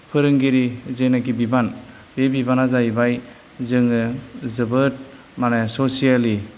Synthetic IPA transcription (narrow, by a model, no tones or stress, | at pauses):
pʰɯɾɯŋɡiɾizenaɡibiban | b̥ebibanazajbaj | zɯŋɯzɯbɯt̚ | manesosijali